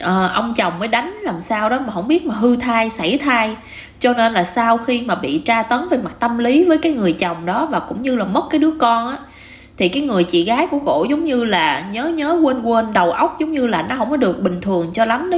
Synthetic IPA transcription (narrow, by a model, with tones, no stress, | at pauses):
ʔəː˨˩ʔə˧wŋ͡mt͡ɕə˨˩wŋ͡mməː˨˦jɗa˨˦jŋ̟laː˨˩msaː˧wɗɔ˨˦maː˨˩ɦə̰˧˥wŋ͡mɓi˦˥ət̚maː˨˩ɦɨ˧t̪ʰaː˧jsa˧˩jt̪ʰaː˧j | t͡ɕɔ˧ne˧nlaː˨˩saː˧wxi˧maː˨˩ɓḭ˧˨t͡ɕaː˧t̪ə˨˦nvəː˨˦jma˨˩t̚t̪ə˧mli˨˦vəː˨˦jkaː˨˦jŋɨ˨˩əjt͡ɕə˨˩wŋ͡mɗɔ˨˦vaː˨˩kʊ̰˧˥ŋ͡mɲɨ˧laː˨˩mə˦˥t̚kaː˨˦jɗɨ˨˦əkɔ˧nʔaː˨˦ | t̪ʰi˨˩kaː˨˦jŋɨ˨˩əjt͡ɕḭ˧˨ɣaː˨˦jkṵ˧˥əɣo̰˧˩zɔ˨˦wŋ͡mɲɨ˧laː˨˩ɲəː˨˦ɲəː˨˦kwə˧nkwə˧nɗə˨˩wʔə˦˥wk͡p̚zʊ˨˦wŋ͡mɲɨ˧laː˨˩nɔ˨˦hə˧˥ŋ͡mkɔ˨˦ɗɨ˨˩ək̚ɓï˨˩ŋ̟t̪ʰɨ˨˩əŋt͡ɕɔ˧la˨˦mn˦